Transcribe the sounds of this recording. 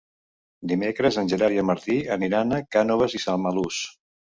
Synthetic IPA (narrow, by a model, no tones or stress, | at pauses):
d̪imekɾəzənʲʒəɾaɾjəməɾt̪iəniɾanəkanoβəzisalˠməlus